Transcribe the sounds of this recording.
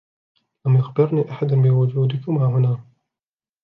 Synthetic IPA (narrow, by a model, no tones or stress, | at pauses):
lamjʊxbɪɾniːʔaħad̪anbɪwʊd͡ʒuːd̪ɪkʊmaːɦʊnaː